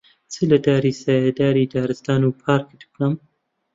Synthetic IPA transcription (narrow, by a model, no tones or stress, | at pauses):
t͡sʰɨlɐd̪aːɾiːsaːjad̪aːɾiːd̪aːɾɨst̪aːnuːpʰaːɾkd̪ɨkɐm